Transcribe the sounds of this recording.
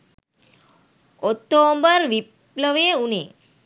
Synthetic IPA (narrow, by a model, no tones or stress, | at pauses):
ɔt̪ːombəɾʋi | pləʋeunḛ